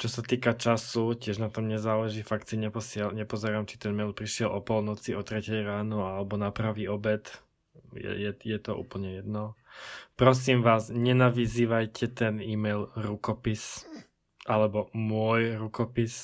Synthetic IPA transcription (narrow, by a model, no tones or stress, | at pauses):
t͡ʃɔsat̪iːkat͡ʃasucɪɛʒnat̪ɔmɲɛzaːlɛʒiːfakt̪siɲɛpɔsɪɛlɲɛpɔzɛɾaːmt͡ʃit̪ɛnmɛjlpɾiʃɪɛlɔpɔlnɔt͡siɔt̪ɾɛcɛjɾaːnɔalɛbɔnapɾaʋiːɔbɛt̪ | jɛ̰jɛjɛt̪ɔʔṵːpl̩ɲɛjɛd̪nɔpɾɔs̬iːmʋaːzɲɛnaʋiziːʋajcɛt̪ɛniːmɛjlɾukɔpis | ʔalɛbɔmʊɔjɾukɔpis